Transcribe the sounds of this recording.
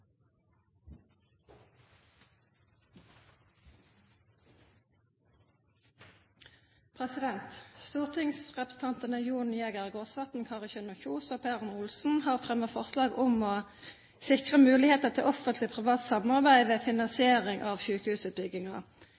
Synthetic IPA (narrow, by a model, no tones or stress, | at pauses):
pʰʁɛsɪd̪ɛnt̪st̪uːʁt̪ʰɪŋsʁɛpʁəs̩t̪ʰɑnt̪ənəjuːneːɡəʁɡoːsʋɑt̪n̩kʰɑʁɪçœnʊçuːsoːpʰæːʁnʊlsn̩hɑːʁfʁɛməfɔʁslɑːɡʊmoː | sɪkʁəmʉːlɪheːt̪əʁt̪ʰɪlɔfənt̪lɪpʰʁɪʋɑːt̪sɑmɑʁbæɪʋeːfɪnɑnsɪeːʁɪŋʔɑːʋçʉːkəhʉːsəbʏɡɪŋɑ̰